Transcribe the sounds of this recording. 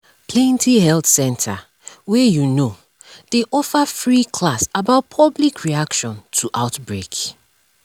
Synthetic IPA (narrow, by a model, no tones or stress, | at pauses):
pʰlẽntʰiɦɛltsɛ̃ntʰa | wɛjuno | d̥eʔɔfafɹikʰlasabaʊt̚pʰɔblikʰɹiakʃɔ̃ntʰuʔaʊtbɹek